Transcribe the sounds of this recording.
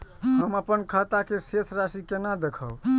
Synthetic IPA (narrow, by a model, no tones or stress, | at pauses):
ɦəməpənkʰət̪akesesʰɾasikenad̪ekʰəʊ